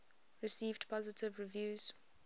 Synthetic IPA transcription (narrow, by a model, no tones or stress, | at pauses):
ɹɪsiːvdpʰɔzɪtʰɪvɹɪvjuːz̥